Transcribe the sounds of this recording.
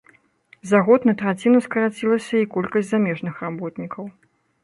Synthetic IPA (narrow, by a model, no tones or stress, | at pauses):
zaɣɔt̪nɐt̪ɾat͡sʲinuskɐɾat͡sʲilˠɐsʲɐikɔlʲkɐsʲtʲzamʲɛʐnɨxrabɔt̪nʲikɐw